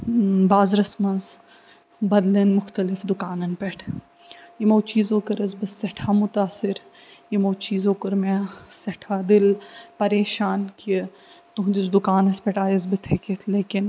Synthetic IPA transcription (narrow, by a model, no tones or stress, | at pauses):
baːzɾɐsmɐnz | bɐd̪linmʊxt̪ɐlɪfd̪ʊkaːnɐnpɛʈʰ | jimoːt͡ʃiːzõːkɐɾɐzbɐsɐʈʰaːmʊt̪aːsɪɾ | jimoːt͡ʃiːzõːkɐɾmẽsɐʈʰaːd̪ɪlpɐɾeːʃaːnki | t̪ʊɦd̪ɪt͡ʃd̪ʊkaːnɐspɛʈaːjɐzbɪt̪ʰeket̪ʰleːkɪn